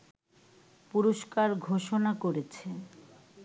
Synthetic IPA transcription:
puɾoʃkaɾɡʱoʃonakoɾet͡ɕʰe

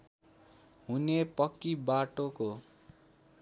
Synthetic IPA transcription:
ɦunepʌkːibaʈoko

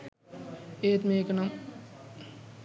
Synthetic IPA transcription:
eːt̪meːkɐnɐm

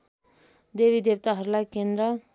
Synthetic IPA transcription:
d̪ebid̪eb̚t̪aɦʌɾulajkend̪ɾʌ

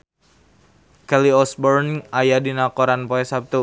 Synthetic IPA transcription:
kɛliɔsbɔrnajadinakɔɾanpɔɛsap̚t̪u

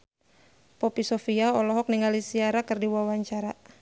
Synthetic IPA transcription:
pɔpisɔfiaɔlɔɦɔk̚niŋalisiaɾakɨrdiwawaɲt͡ʃaɾa

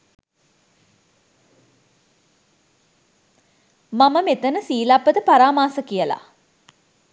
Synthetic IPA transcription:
maməmet̪ənəsiːlapːət̪əpaɾaːmaːsəkijəla̰

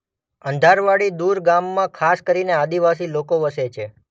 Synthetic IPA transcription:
ənd̪ʱaɾʋaɽid̪uɾɡamːãkʰaskəɾinead̪iʋas̬ilokoʋəset͡ʃʰe

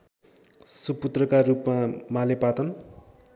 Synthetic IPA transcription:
suput̪rʌkarupmamalepat̪ʌn

